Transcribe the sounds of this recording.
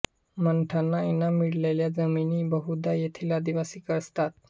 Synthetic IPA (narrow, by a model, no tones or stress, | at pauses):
məɳʈʰanːaenamiɽleljad͡zəminiːbəɦud̪ajet̪ʰilad̪iʋasiːkəɾst̪at̪̚